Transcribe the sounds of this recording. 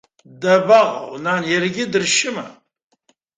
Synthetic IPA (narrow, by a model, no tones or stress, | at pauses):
dɐbɐʁ̰wnanjɛrɡʲɪdɨrʃɪmɐ